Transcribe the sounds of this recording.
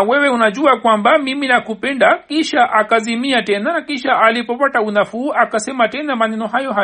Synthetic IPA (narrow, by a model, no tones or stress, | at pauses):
wɛwɛunaʄuakwambamiminakupɛndakiʃaʔakazimiatɛnaakiʃaʔalipɔpataunafuːʔakasɛmatɛnamanɛnɔɦajɔɦa